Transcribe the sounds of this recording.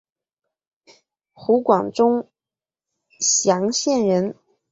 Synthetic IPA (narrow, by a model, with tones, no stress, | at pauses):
xu˧˥kwɑ˨˩ŋʈ͡ʂʊ˥ŋ | ɕjɑ˧˥ŋɕjɛ˥˩nɻə˧˥n